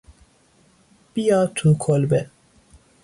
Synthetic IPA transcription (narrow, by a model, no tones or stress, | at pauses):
b̥ijɒːt̪ʰukʰolbe